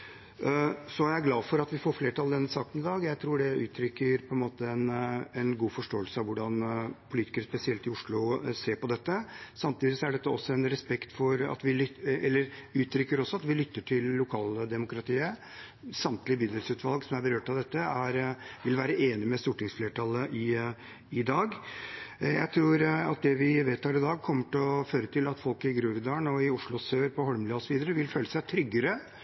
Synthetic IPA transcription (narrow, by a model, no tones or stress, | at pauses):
sɔæɾæɡlɑːfɔɾɑt̪ʋɪfoːɾfleːʈʰɑld̪ɛnːəsɑːkənɪd̪ɑːɡjæɪt̪ʰɾuːɖɛʉ̰ːt̪ʰɾʏkːəɾpʰɔɛnmoːt̪əɛnɛnɡuːfɔʂʈoːəlsəɑʋʋʊɖɑnpʰʊliːt̪ɪ̥kəɾəspɛsɪɛlt̪ɪʊʂɭʊseːɾpɔd̪ɛt̪ːəsɑmt̪iːd̪ɪsɔæɖɛt̪ːəɔsːɔɛnɾɛspɛkt̪fɔɾɑ̰t̪ʋɪɛlːəɾʉːt̪ʰɾʏkːəɾɔsɔɑt̪ʋɪlʏt̪ːəʈʰɪlːʊkʰɑːld̪ɛmʊkɾɑt̪ʰiːə | sɑmt̪lɪbɪd̪əlsʉːt̪ʋɑlɡsɔmæɾbəɾøːʈɑʋd̪ɛt̪ːəæɾʋɪlʋæːɾəeːnɪmɛst̪uːʈɪŋsfleːʈʰɑlːəʔɪ | ɪd̪ɑːɡ | jæ̰ɪt̪ʰɾuːɾɑ̰t̪̚d̪ɛʋɪʋeːt̪hɑːɾɪd̪ɑːɡ̚kʰɔmːəʈlɔføːɾət̪ʰɪlɑt̪fɔlkɪɡɾʉːɾɪd̪ɑːəɳɔɪʊʂɭʊsøːɾpʰɔhɔɾmlɪɔsɔʋiːd̪əɾəʋɪlføːləsæɪt̪ʰɾʏɡːəɾə